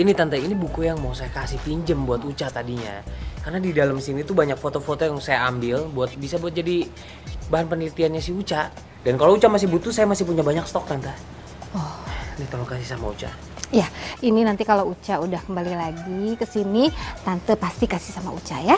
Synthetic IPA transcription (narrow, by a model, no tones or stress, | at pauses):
init̪ant̪ainibukujaŋmawsajakasiht̪iɲd͡ʒəmbuat̪ut͡ʃat̪adiɲa̰karnadidalamsinit̪ubaɲak̚fot̪ofot̪ojaŋsajaambɪlbuat̪̚bisabuat̪̚d͡ʒadi | baɦanpənəlit̪ianɲasɪhut͡ʃa | dankalout͡ʃamas̬ɪhbut̪usajamasɪhpuɲabaɲakst̪ɔk̚t̪ant̪a | ɔhnit̪alokasɪhsamaṵt͡ʃa̰ | jaininant̪ikalout͡ʃaudahkəmbalilaɡikəsinit̪ant̪əpast̪ikasɪ̥hsama̰ut͡ʃaja